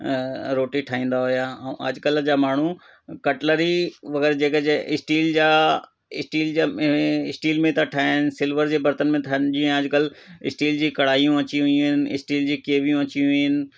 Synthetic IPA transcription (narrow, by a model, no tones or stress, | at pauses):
ɾoːʈiʈʰaːĩːn̆d̪aɦʊjãə̰d͡ʑkəld͡ʑaːmaːɳ̤u | kɐʈləɾiʋɐɡɛːɾd͡ʑeːkəeɪsʈiːld͡ʑaː | ɪsʈiːld͡ʑaɪsʈiːlmẽt̪ɐʈʰaːnɪ̆sɪlʋəɾd͡ʑeːbɐɾt̪ənmẽt̪ʰnd͡ʑiːə̃ɐd͡ʑkəlɪ̰sʈiːld͡ʑiːkɐɽ̤aːijũɐt͡ɕiɦʊĩɦɪnɪ̆ɪ̰sʈiːld͡ʑiːkeːʋijũɐt͡ɕiũɦʊiɪnɪ̆